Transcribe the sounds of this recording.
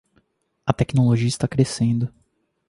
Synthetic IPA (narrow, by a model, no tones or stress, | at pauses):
ɐt̪ɛknoloʒiɐist̪akɾesẽnd̪ʊ